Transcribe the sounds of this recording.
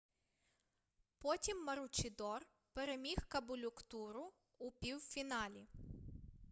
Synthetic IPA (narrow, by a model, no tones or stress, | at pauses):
pɔtʲimːɐɾʊt͡ʃɪd̪ɔr | pɛɾemʲixkɐbʊlʲʊkt̪uɾʊ | ʊpʲiwfʲinɑlʲi